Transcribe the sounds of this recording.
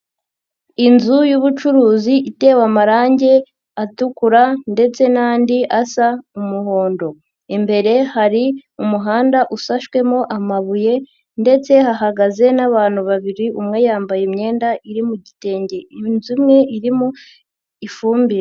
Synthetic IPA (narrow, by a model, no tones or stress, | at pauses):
inzujuβut͡ʃuɾuːziʔite̞ːwamaɾaːɲɟe̞ | atukuɾande̞t͡se̞naːndiʔasaumuɦo̞ːndo̞ | imbe̞ɾe̞haɾiumuɦaːndaʔusaʃkwe̞mo̞ʔamaβuje̞ | nde̞t͡se̞haɦaɡaze̞naβaːnhuβaβiɾiʔumŋe̞jaːmbajemɲe̞ːndaʔiɾimuɟite̞ːɲɟe̞inzimŋe̞iɾimu | ifuːmbiɾe